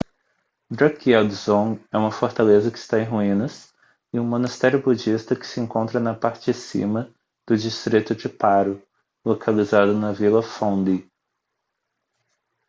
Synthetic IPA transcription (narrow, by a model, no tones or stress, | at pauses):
d̪ɾakiɛd̪zõɛũmɐfoɾt̪alezɐkɪ̥st̪aẽj̃ɦuĩnɐs | ɪũmõnast̪ɛɾjʊbud͡ʒist̪ɐkɪ̥sɪẽŋkõnt̪ɾɐnɐpaɾt͡ʃɪsḭ̃mɐ | d̪̥ʊd͡ʒist̪ɾit̪ʊd͡ʒɪpaɾʊ | lokʰalizad̪ʊnɐvilɐfõd̪i